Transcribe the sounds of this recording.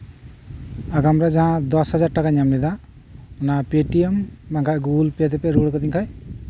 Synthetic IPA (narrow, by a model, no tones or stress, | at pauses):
aɡamɾad͡ʒaɦãd̪ɔshad͡ʒaɾʈakaɲamlɛd̪a | ɔnapeʈiembaŋkʰaʔɡuɡulpɛd̪ɛpɛɾuɽkɔd̪iŋkʰaj